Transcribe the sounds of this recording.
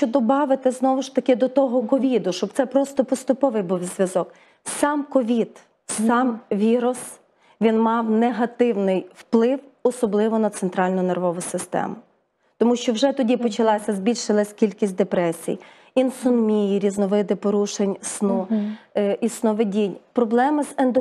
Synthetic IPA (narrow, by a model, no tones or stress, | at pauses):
ʃt͡ʃɔd̪ɔbɑʋɪt̪ɪznɔʋʊʃt̪ɐkɪd̪ɔt̪ɔɦɔkɔʋʲid̪ʊʃt͡ʃɔb̚t̪sɛpɾɔst̪ɔpɔst̪ʊpɔʋɪjbuwzʲʋʲjɐzɔk | sɑmkɔʋʲid̪ | sɑmʋʲiɾʊs | ʋʲinmɑwneɦɐt̪ɪwnɪjwplˠɪwɔsɔblˠɪʋɔnɐt̪sent̪ɾɑlʲnʊnerʋɔʋʊsɪst̪ɛ̰mʊ | t̪ɔmuʃt͡ʃɔwʒɛt̪ɔdʲipɔt͡ʃɐlˠɑsʲɐzʲbʲilʲʃɪlˠɐsʲkʲilʲkʲisʲt̚ʲd̪epɾɛsʲḭj | insʊnmʲijiɾʲiznɔʋɪd̪ɪpɔɾuʃenʲsnu | isnɔʋedʲinʲpɾɔblˠɛmɪzend̪ɔ